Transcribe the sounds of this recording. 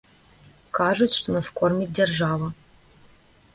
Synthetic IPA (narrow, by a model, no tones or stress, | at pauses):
kaʐut͡sʲʂt̪ɔnɐskɔrmʲit͡sʲdʲɛrʐavɐ